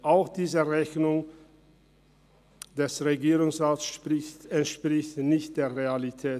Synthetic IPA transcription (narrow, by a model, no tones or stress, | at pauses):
ʔaʊxd̥iːzəʁɛçnʊŋ | d̥ɛsʁeɡiːʁʊŋsʁaːtsʃpʁɪtɛntʃpʁ̥ɪçtnɪçt̚d̥eːɐʁealitʰɛː